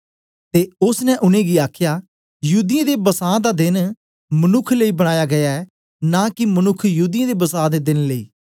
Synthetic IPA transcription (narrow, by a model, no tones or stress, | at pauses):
t̪eːʊsnɛ̃ʔʊnẽːɡiaːkʰjaː | juːd̪ɪjãːd̪eːbəsaːd̪aːd̪ɪn | mənʊkʰləiːbəɽ̃aːjaɡɐjaɛ | nãːkɪmənʊkʰjəɦuːd̪ɪjãd̪eːbəsaːd̪eːd̪ɪnləiː